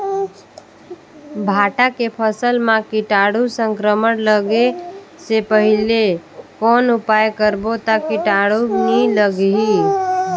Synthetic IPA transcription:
bʱaːʈakepʰəsəlmãkiʈaːɽusə̃ŋkɾəmənləɡe | sepəɦilekɔːnʊpajkəɾbot̪akiʈaɽuniləɡɦi

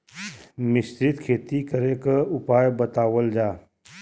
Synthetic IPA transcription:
mɪst̪ɾɪt̪kʰeːt̪ikəɾekəʊpaːjbət̪aːwəld͡ʒaː

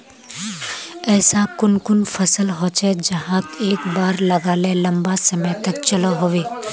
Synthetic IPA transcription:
ɛːsakʊnkʊnfɐsəlɦoːt͡ʃed͡ʒɐɦãk̪eːkbaːɾlɐɡaːlelɐ̃mbasɐməjt̪ɐkt͡ʃɐlaɦoːʋeː

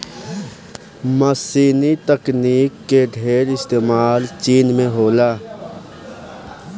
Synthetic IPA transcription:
məsiːnit̪əkniːkːeɖʱeːɾɪst̪eːmaːlt͡ʃiːnmẽɦoːlaː

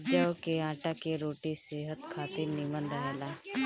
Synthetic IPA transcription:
d͡ʒaokeãːʈakeɾoːʈiseɦət̪kʰaːt̪inimə̃nd̪əɦɛːla

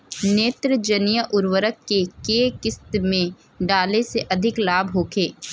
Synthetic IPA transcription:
neːt̪ɾəd͡ʒənijəʔʊɾwəɾəkːekeːkɪst̪mẽ | ɖaːleseʔɐd̪ʱɪklaːbʱɦoːkʰeː

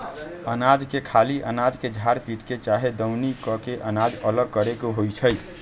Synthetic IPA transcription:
ənad͡ʒkekʰaliʔə̰nad͡ʒked͡ʒʱaɾpiʈket͡ʃaɦed̪əwnikɔkeʔənad͡ʒələɡ̚kəɾekoɦojt͡ʃʰəj

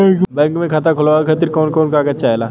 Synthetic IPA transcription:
kbɛ̃ŋkmẽkʰaːt̪̬akʰʊlaakʰət̪iɾkɔːnkɔːnkaːkɐtːt͡ʃʃʰaɦɛːlaː

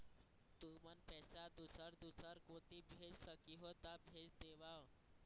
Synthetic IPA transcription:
t̪umənpɛːsad̪usəɾd̪usəɾkot̪ibʱed͡ʒsəkiɦot̪abʱed͡ʒd̪eʋao

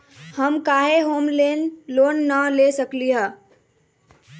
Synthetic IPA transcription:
həmkaːɦeɦoːmlenloːnːəlesəkliɦə

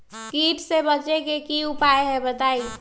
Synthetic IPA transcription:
kiʈsebət͡ʃekekiupaeɦebət̪ai

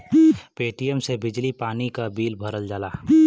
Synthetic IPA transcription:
peːʈijəmsebɪd͡ʒlipaːnikabiːlbʱəɾəld͡ʒaːlaː

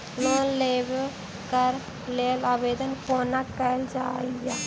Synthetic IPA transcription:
loːleb | kəɾ | leːlaʋeːd̪ənkoːnakɛld͡ʒaːja

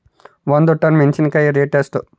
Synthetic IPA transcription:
ʋɐnd̪uʈːɐnment͡ʃinkɐjiɾeːʈesʈu

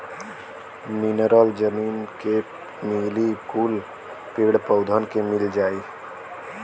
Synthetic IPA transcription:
mɪnəɾəld͡ʒəmiːnke | miːlikuːl | peːɽpəʊd̪ʱənkemɪld͡ʒaːiː

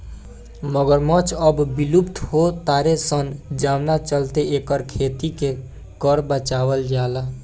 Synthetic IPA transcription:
məɡəɾmət͡ʃʰəbbilupt̪ɦot̪aɾesənd͡ʒamnat͡ʃəlt̪eekəɾkʰet̪ike | kəɾbət͡ʃabəld͡ʒala

